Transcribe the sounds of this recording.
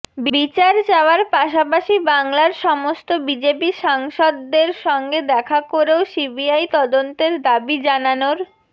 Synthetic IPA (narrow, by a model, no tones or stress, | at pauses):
bbit͡ɕaɾd͡ʑaoaɾpaʃapaʃibaŋlaɾʃɔmost̪obid͡ʑepiʃaŋʃɔd̪ːeɾʃɔŋɡed̪ɛkʰakoɾeosibiajt̪ɔd̪ont̪eɾd̪abid͡ʑananoɾ